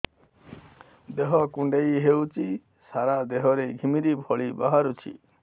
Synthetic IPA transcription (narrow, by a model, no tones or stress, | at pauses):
d̪eɦɔkuɳɖejɦewt͡ʃi | saɾad̪eɦɔɾeɡʱimiɾibʱɔɭibaɦaɾut͡ʃʰḭ